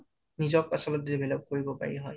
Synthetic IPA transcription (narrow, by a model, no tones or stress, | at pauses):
nizɔkasɔlɔtzebɛlɔb̚koɹibɔpa̰ɹiɦɔj